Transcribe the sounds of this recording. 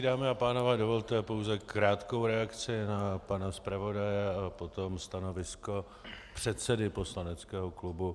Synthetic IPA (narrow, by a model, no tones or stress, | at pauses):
daːmɪapaːnovɛːdo̞vo̞lt̪ɛpo̞wzɛkɾaːt̪ko̞wɾɛakt͡sɪnapanaspɾavo̞dajɛapo̞t̪o̞mst̪ano̞vɪsko̞ | pr̝̥ɛt̪sɛdɪpo̞slanɛt͡skɛːɦo̞klubu